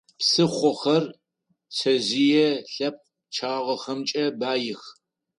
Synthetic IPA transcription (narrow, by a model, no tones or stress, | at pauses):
psɨχʷɔχɐr | sʰɐʑijɛɬɐp̚ʼ | t͡ʃʰaːʁɐxɐmt͡ʃʼɐbaːjɪx